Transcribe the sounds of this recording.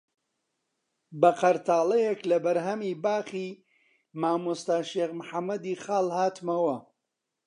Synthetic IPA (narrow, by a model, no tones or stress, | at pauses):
bɐqɐɾt̪ʰaːlˠɐjɛklɐbɐɾɦɐmiːbaːχiː | maːmust̪aːʃeːɣmħamːɐd̪iχaːlˠhaːt̪mɐwɐ